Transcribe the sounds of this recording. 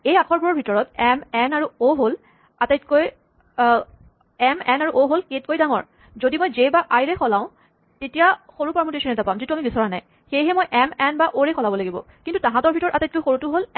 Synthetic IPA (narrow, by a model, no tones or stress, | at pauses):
ejakʰɔɹbɔɹɔɹbʱitɔɹɔtɛmɛnaɹuoɦol | atajt̚koj | ɛmɛnaɹuʔoɦolket̚kojdaŋɔ̰ɹ | zodimojzejbaʔajɹɛxɔlaʊ̃ | tetijaxoɹupaɹmuteʃɔnɛtapamzituamibisɔɹanaj | xejɦɛmojʔɛmɛnbaʔoɹɛxɔlabɔlaɡibɔ̰kintutãɦãtɔɹbʱitɔɹtatajt̚kojxoɹutʊɦol